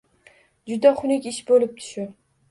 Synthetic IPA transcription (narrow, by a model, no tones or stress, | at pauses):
d͡ʒʊd̪aχʊnɪkʲɪʃbolɪp̚t̪ʰʊ̥ʃʊ